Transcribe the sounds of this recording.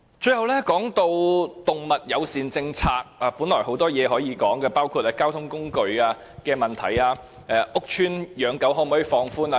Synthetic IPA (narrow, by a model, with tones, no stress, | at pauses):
t͡ʃɵ˧ɥhɐ˨wlɛː˥kɔː˨˥ŋt̪o˧wt̪ʊ˨ŋmɐ˨t̚jɐ˨˧wsiː˨˧nt͡sɪ˧ŋt͡sʰaː˧k̚aː˨˧puː˨˥nlɔː˨˩jho˨˥wt̪ɔː˥jɛː˨˧ɦɔː˨˥jiː˨˧kɔː˨˥ŋkɛː˧paː˥wkʰuː˧t̚aː˧kaː˥wt̪ʰʊ˥ŋkʊ˥ŋkɵ˧ɥaː˧ | kɛː˧mɐ˨˩nt̪ʰɐ˨˩jaː˧ | ʔɛː˨˧ʔʊ˥k̚t͡ʃʰyː˥njœː˨˧ŋkɐ˨˥wɦɔː˨˥m˨ɔː˨˥ji˨˩fɔː˧ŋfuː˥naː˧